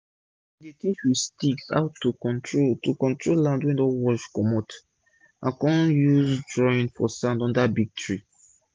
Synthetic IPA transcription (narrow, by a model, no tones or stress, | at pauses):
dekeʃwistiksa̰ʊtːukɔ̃ntɹotukɔ̃ntɹolãndwɛ̃ndɔ̃wɔʃkɔmɔt | ʔãnkɔ̃juzdɹɔ̃ĩnfɔ̰sãndɔ̃ndabiɡ̚tɹi